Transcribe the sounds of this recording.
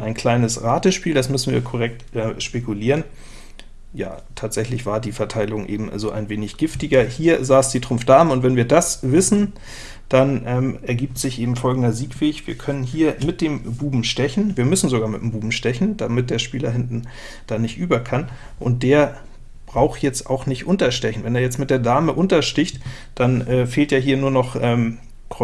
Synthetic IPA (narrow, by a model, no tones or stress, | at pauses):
ʔaɪnkʰl̥aɪnəsʁaːtəʃpiːldasmʏsn̩vḭːɐkʰɔʁɛk̚tʔɛːʃpekuliːʁ̞ən | ja̰ːtʰaːtz̥ɛçlɪçv̥aːɐdiːfɛɐtʰaɪlʊŋʔḛːbm̩zoːʔa̰ɪnveːnɪçɡ̥ɪftɪɡɐhiːɐzaːsd̥iːtʁ̥ʊmfd̥aːmʊntv̥ɛnviːɐdasvɪsn̩ | d̥anʔɛːmɛɐɡiːp̚tz̥ɪçʔeːbm̩fɔlɡŋ̩dɐziːkv̥eːçv̥iːɐkʰœnənɦiːɐmɪt̚d̥eːmbuːbm̩ʃtɛçn̩viːɐmʏsn̩zoɡaːɐmɪtːmbuːbm̩ʃtɛçn̩d̥amɪt̚d̥eːɐʃpiːlɐɦɪntn̩ | d̥aːnɪçtʔyːbɐkʰan | ʔʊ̰nt̚d̥eːɐ | b̥ʁaʊxjɛt͡stʔa̰ʊxnɪçtʔʊntɐʃtɛçn̩vɛneːɐjɛt͡stmɪt̚d̥eːɐdaːməʔʊntɐʃtɪçt | d̥anʔɛːfeːltjaːɦiːɐnuːɐnɔχʔɛːm | kʁɔ